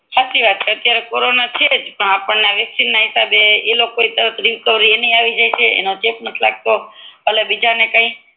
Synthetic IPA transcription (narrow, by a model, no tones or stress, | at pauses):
kʰasiʋat̪̚t͡ʃʰeət̪jaɾekoɾonat͡ʃʰed͡ʒpəɳapəɳneaʋɛksinːaɦisabeelokoit̪əɾət̪ʰɾiʋkəʋɾienəiaʋid͡ʒajt͡ʃʰeḛnod͡ʒepnət̪ʰla̰ɡ̚t̪oɦəlabid͡ʒanekə̃ĩ